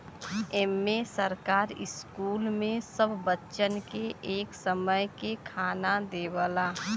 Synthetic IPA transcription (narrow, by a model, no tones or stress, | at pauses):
ɛːmːesəɾkaːɾɪ̰skuːlmẽsəbʱːətːʃənkeʔeːksəməjkekʰaːnad̪eːwəlaː